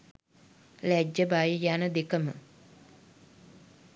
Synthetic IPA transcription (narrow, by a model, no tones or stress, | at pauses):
læd͡ʒːəbajəjanəd̪ekəmə̰